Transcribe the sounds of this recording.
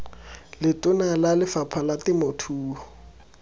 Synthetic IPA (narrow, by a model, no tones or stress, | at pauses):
lɪtʼʊnalalɪfapʰalatɪmʊtʰuːɔ